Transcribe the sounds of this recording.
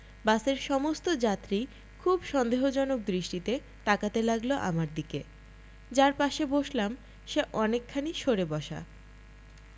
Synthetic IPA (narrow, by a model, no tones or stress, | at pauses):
baseɾʃɔmost̪od͡ʑat̪ːɾi | kʰubʃɔnd̪eɦod͡ʑɔnok̚d̪ɾiʃʈit̪e | t̪akat̪elaɡloʔa̰maɾd̪ike | d͡ʑaɾpaʃeboʃlam | ʃeʔɔnekʰːaniʃoɾebɔʃa̰